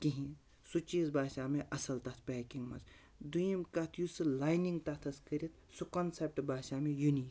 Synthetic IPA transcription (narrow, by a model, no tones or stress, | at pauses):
kiɦĩ | sut͡ʃiːzbʱaːʃaːmeʔɐsɐlt̪ɐt̪ʰpʲɛːkiŋɡmɐ̰t͡s | d̪ujimkɐt̪ʰjusɨlaːjniŋɡt̪ɐt̪ʰɐskɐɾʲit̪ | sukɐnsep̚ʈbʱaːʃaːmejuniːk